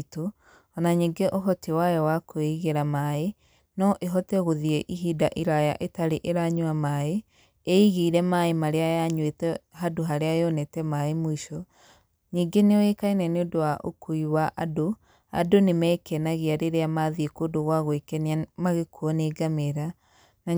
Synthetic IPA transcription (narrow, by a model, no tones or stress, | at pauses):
to | ɔnaɲiːŋɡeʔoɦɔtewajɔwakoeɣeɾamaːe | nɔʔeɦɔtɛɣoðiɛʔiɦidaʔiɾaja̰ʔetaɾeʔeɾaɲuamae | eiɣiːɾɛmaemaɾeajaɲwetɛhadoɦaɾeaeonɛtɛmaemoiʃɔ | ɲiːŋɡeneɔekainɛneodowaʔo̰kʰoiwaʔado | a̰donemɛːkɛnaɣeaɾeɾeamaðiekoːdoɣwaɣoekɛniamaɣekuɔneːɡameɾa | na